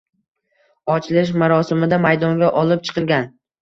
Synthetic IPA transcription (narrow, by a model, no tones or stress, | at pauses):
ɒt͡ʃʰlɪʃ̬maɾɒsɪmɪd̪amajd̪ɒŋɡʲaʔɒlˠɪp̚t͡ʃʰɨ̥qʰɨlˠɡʲan